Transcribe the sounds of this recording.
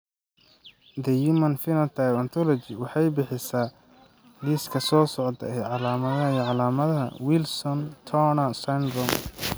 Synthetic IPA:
d̪ɛjimɐnfɪnɐt̪ʰɐjɐnt̪ʰɔlɔt͡ʃɪwɑħɑjbɪħɪsaː | liːskʰɐsɔːsɔʕd̪ɐ̰ɛʕɑlaːmɐðɐɦɐiːʕɑlaːmɐðɐɦɐ̰wɪlsɔnt̪ʰɔnɐsand̪ɾɔm

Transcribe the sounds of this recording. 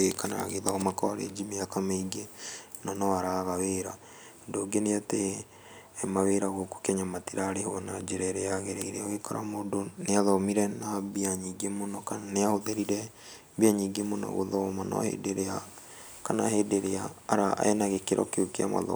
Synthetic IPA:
kana̰a̰ɣeðaɣɔmakɔaɾḛd͡ʒimiakameiɡe | nanɔaɾaɣaweɾa | ndoɡeneate | maweɾaɣoko̥kɛɲamatiɾaːɾehonad͡ʒeɾɛɾeaɣeɾeɾeoekaɾa̰mondoneaðɔmiɾɛnaβiaɲiɡemonɔkaneahoðeɾiɾɛ | βiaɲiɡemonɔ̰ɣo̰ðɔmanɔ̰hḛdeɾea | kana̰hedeɾeaːɾaa̰enaɣekeɾʔɔ̰keokea̰ma̰ðɔ̰

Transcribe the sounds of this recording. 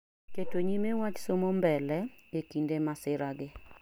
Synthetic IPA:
ketoɲimewat͡ʃsomombɛlɛekindemasɪɾaɡɪ

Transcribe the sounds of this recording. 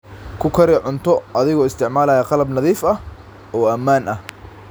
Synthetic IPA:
kʰʊkʰɐɾɪʕʊnt̪ʰɔʔɐðɪɣɔːɪst̪ʰɪʕmaːlɐːjɐqɑlɐbnɐðiːfɐ | ɔːɐmaːnʔɐh

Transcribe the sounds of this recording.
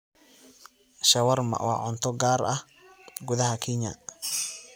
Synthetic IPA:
ʃɐwɐrmɐ̰wɑ̰ːʕʊnt̪ʰɔɡaːɾɐh | ɡʊðɐɦɐkʰɪɲɐ̰

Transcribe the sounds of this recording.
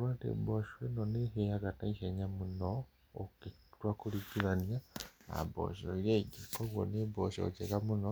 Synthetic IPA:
oɾwaːtḛboʃwenoneɦejaɡataiheɲamuno | okitwakuliɡiɾanjaa̰bo̰ʃojeɟikoβwo̰neboʃo̰d͡ʒeɡamuno

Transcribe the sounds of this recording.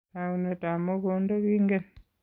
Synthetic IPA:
aunetamoβondoβiːŋɡen

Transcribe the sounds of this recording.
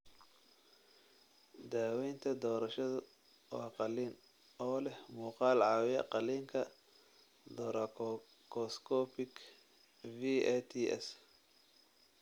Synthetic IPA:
d̪aːwɛjnt̪ʰɐd̪ɔːɾɐʃɐðʊ | wɑːqɑliːn | ɔːlɛhmuːqɑːlʕɑːwɪjɐqɑliːŋkʰɐ | d̪ɔːɾɐ | kʰɔskʰɔːpɪɡ | viɛt̪ʰiʔɛ̰s

